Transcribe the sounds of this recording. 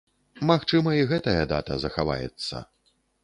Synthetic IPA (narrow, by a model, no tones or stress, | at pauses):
maxt͡ʂɨmɐiɣɛt̪ɐjɐd̪a̰t̪ɐzɐxava̰jɛ̰t̪sːɐ̰